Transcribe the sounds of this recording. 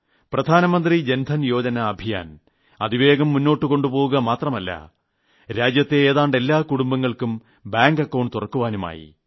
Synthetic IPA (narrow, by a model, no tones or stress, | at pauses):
prɐd̪ʱaːnɐmɐnd̪rid͡ʑend̪ʱɐnjo̞ːd͡ʑɐnɐːbʱija̰ːn | ɐðiʋeːɣɐmːunːo̞ːʈːɨko̞ɳɖupo̞ːwuɣɐmaːt̪rɐmɐlːɐ̰ | ɾaːd͡ʑjɐt̪ːe̞eːðaːɳɖe̞lːaːkuɽumbɐŋːɐɭkum | baːŋɡɐkːɐwɳɖt̪urɐkːuʋaːnuma̰ːjḭ